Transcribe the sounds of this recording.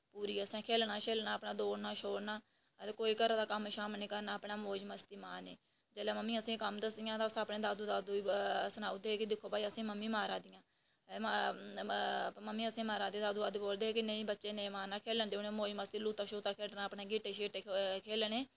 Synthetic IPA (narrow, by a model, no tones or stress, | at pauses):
puːɾiːəsẽːkʰeːlnaːʃeːlnaːpɳaːd̪oːɽnaːʃoːɽnaː | t̪eːkoːiːkəɾãːd̪aːkəmʃaːmnĩːkəɾnaːəpɳaːmoːd͡ʒməst̪iːmaːneː | d͡ʒeːleːməmːĩːəsĩːkəmd̪əsd̪ɪjãːt̪asːpnẽːd̪aːd̪uːd̪aːd̪uːsənaːud̪eːɦeːkid̪ɪkʰːoːpaːiːəsĩːməmːiːmaːɾãːd̪ɪjãː | məmːiːəsĩːmaːɾãːd̪eːd̪aːd̪uːdaːd̪uːboːld̪eːeːkɪnə̃ĩːbətːʃeːnẽːmaːnaːkʰeːlənd͡ʒ̪eʊneːmoːd͡ʒməst̪iːluːt̪aːʃoːt̪aːkʰeːlnaːəpɳeːɡɪːʈeːʃeːʈeːkʰeːlɳeː